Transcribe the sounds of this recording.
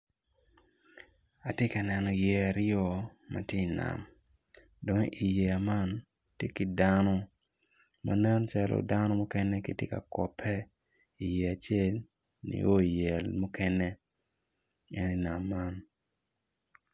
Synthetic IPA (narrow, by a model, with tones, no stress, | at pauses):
a˨tje˦ka˨nɛ˨nɔ˨jɛ˨a˨ɾjɔ˨ma̰˨tje˦i˨na̰˨m | do˨ŋʔi˨je˨a˨ma˦n | tje˦ki˨danɔ˦ | ma̰˨nɛ˦nt͡ʃa˦lo̰˨da˦nɔ˦mɔ˦kɛ˦nɛ˦ki˦tjɪ˦ka̰˨kɔ̰˨pʰɛ˦ | i˨je˨a˨t͡ʃe˦˨l | nḭ˨ʔo˦i˨jɛ˨lmu˦kɛ˦nɛ˦ | ɛ˦ni˦na˨mːa˦n